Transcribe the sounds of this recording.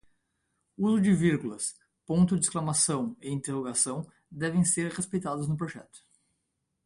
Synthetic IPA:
uzʊd͡ʒɪviɾɡulɐs | põnt̪ʊd͡ʒɪisklamasɐ̃w̃ɪĩnt̪eʁoɡasɐ̃w̃ | d̪ɛvẽj̃seɾʁespejt̪ad̪ʊznʊp̬ɾoʒɛ̰t̪ʊ̥

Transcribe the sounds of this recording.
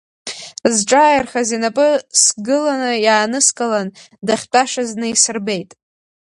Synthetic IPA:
zʈ͡ʂʼaːjarχazinapʼɨsɡɨlanɨjaːnɨskʼalan | daχʲt͡pʼaʂaznɨisɨrbe̞jtʼ

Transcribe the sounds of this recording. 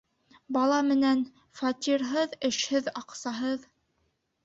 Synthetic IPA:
bɑlˠɑmɘ̆næn | fɑt̪ʲiɾɦɤðɘ̆ʃhɘðɑqsɑɦɤð

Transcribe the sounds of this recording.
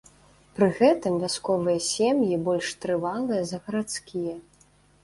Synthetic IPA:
pɾɨɣɛt̪ɨmvʲaskɔvɨjɐsʲemjibɔlʲʂt̪ɾɨvalˠɨjɐzɐɣɐɾat̪skʲijɐ

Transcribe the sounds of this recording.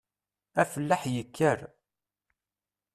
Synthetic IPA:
æfəlːaħjəkːəɾ

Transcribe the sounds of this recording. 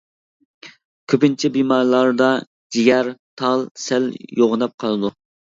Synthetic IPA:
kʲʰøpɪnt͡ʃʰɛbimɑːɾlˠɑɾd̪ɑ | d͡ʒijɛɾt̪ʰɑlˠsæljoʁnɑp̚qʰɑlˠɨd̪u

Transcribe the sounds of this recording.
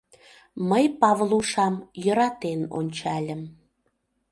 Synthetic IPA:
məjpɑvluʃɑmjɤɾɑt̪eno̰nʲt͡ɕɑlʲə̆m

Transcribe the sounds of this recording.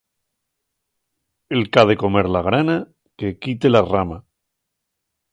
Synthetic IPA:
elkaðe̞ko̞me̞ɾlaɣ̞ɾana | ke̞kit̪e̞larama

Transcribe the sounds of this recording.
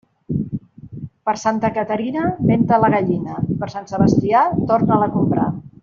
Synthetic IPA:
pəɾsant̪əkət̪əɾinəment̪ələɣəʎinəipəɾsansəβəst̪iat̪oɾnələkumpɾa̰

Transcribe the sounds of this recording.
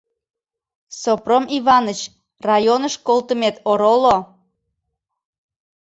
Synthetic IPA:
sopromiβɑnət͡ɕ | rɑjonəʃkolt̪əmet̪oɾolo

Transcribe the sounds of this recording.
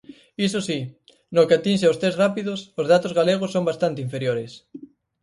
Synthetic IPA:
isosi | nokeat̪inʃ̬eost̪esrapiðosozðat̪ozɣaleɣ̞osːõŋmbast̪ant̪eiɱfeɾjoɾes

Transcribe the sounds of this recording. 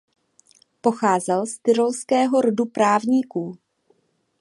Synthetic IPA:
po̞xaːzɛlst̪ɪɾolskɛːɦo̞ɾodupɾaːvɲiːkuː

